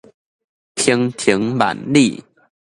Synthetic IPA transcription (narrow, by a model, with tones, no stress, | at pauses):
t̪ʰi˧˦ŋt̪ʰi˧˦ŋma̰˨˩nli˥˩